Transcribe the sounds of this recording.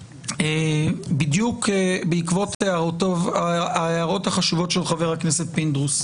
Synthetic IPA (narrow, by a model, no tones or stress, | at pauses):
ebidjukebeikvo̞t̪eaʁotovaaeaʁo̞thaχaʃivo̞tʃelχaveʁhakne̞se̞t̪̚pind̪ʁus